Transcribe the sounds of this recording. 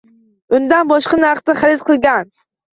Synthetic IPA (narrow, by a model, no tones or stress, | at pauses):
ʊnd̪anbɒʃqɑnaɾχt̪aχaɾɪzqʰɨlˠɡʲan